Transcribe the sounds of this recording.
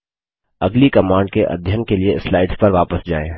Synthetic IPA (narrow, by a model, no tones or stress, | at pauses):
ɐɡlikɐmãːɳɖ̚keʔɐ̰d̪ʱjənkelieɪslaːɪɖspɐɾʋaːpəsd͡ʒaːeː